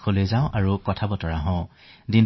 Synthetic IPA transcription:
kʰolezaʊ̃ʔaɹukɔtʰabɔtɔɹaɦɔ̃ | din

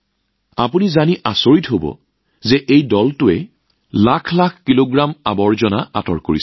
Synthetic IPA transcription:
apunizaniʔasoɹitɦobɔ̰ | zɛʔejdɔltʊɛ | lakʰlakʰkiloɡɹamabɔɹzɔnaa̰tɔ̰ɹkoɹis

